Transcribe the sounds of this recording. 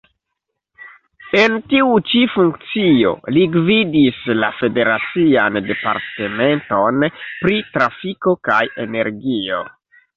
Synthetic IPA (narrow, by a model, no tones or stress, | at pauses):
e̞ntiut͡ʃifuŋkt͡sio̞̰liɡvidislafe̞de̞ɾat͡siande̞pa̰ɾte̞me̞nto̞npɾitɾafiko̞kaje̞ne̞ɾɡio̞̰